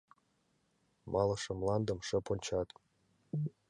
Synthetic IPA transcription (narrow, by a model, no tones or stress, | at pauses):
mʔɑlˠɤ̆ʂɤ̆mlˠɑnd̪ɤ̆mʂɤ̆punʲt͡ɕɑt̪